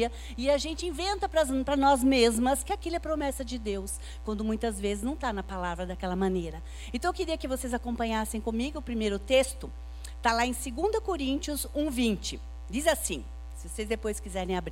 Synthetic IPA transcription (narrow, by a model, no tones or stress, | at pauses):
ɐ | ɪaʒẽnt͡ʃɪĩvẽnt̪ɐpɾɐzpɾɐnɔzmezmɐskɪakilɛpɾomɛsɐd͡ʒɪd̪ews | kwɐ̃nd̪ʊmũj̃t̪ɐzvezɪznɐ̃w̃t̪anɐpalavɾɐd̪ɐkɛlɐmɐ̃nejɾɐ | ẽnt̪ɐ̃wkɪɾiɐkɪvosezakõpɐ̃ɲasẽj̃kõmiɡʊʊpɾimejɾʊt̪est̪ʊ | t̪alaẽj̃seɡũnd̪ɐkoɾĩnt͡ʃiʊzũvĩnt͡ʃɪ | d͡ʒizasĩ | sɪvosezd̪epojskizɛɾẽj̃abɾ